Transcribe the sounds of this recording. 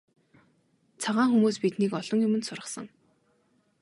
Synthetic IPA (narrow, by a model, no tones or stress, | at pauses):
t͡sʰaʁaːŋxumuːspit̪nikɔɮ̥ɞ̆ŋjʊmɘ̆nsʊrʁə̆χsə̆ŋ